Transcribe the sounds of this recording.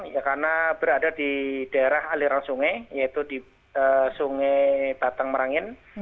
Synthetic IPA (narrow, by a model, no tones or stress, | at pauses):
jakarnab̥əɾadadid̥aeɾahaliɾaŋsuŋɛjait̪udi | əsuŋɛb̥at̪aŋməɾaŋɪn